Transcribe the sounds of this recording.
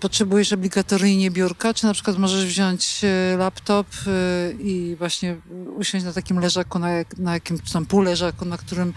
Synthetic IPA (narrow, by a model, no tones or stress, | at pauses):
pɔtʂɛbujɛʂɔblʲiɡat̪ɔɾjɲɛbʲjuɾkat͡ʂɨnatpʂɘ̥kwat̪mɔʐɛʐvʑɔɲt͡ɕlapt̪ɔp | ivwaɕɲɛuɕɔ̃t͡ɕnat̪akʲimlɛʐakunajanajakʲim̥t̪ampulɛʐakunakt̪uɾɘm